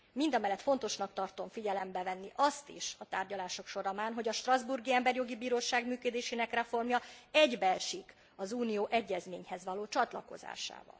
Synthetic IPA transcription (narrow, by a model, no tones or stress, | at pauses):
mind̪ɒmɛlːɛt̪fo̞n̪t̪o̞ʃnɒkt̪ɒrt̪o̞ɱfiɟɛlɛmbɛvɛnːiʔɒst̪ḭʃɒt̪aːrɟɒlaːʃo̞kʃo̞ɾɒmaːnɦo̞ɟɒʃt̪rɒzburɡiɛmbɛrjo̞ɡibiːɾoːʃaːɡmyːkød̪eːʃeːnɛkrɛfo̞rmjɒɛɟbɛlʃik | ɒzuːnijoːʔɛɟːɛzmḛːɲhɛzʋɒloːt͡ʃɒt̪lɒko̞̰za̰ːʃa̰ːvɒ̰l